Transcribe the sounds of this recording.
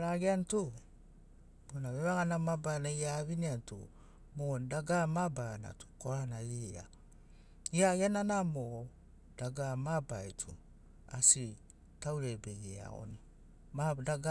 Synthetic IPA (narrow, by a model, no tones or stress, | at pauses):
ɾaɡeantu | b̥onaβeβaɡanamabanaiaβiniantṵ | mondaɡamabaana̰tu̥koɾanaia̰ | iaɡeananamo | d̥aɡamabajtʰu | a̰si | tawɾebeɡea̰o̰n | madaɡa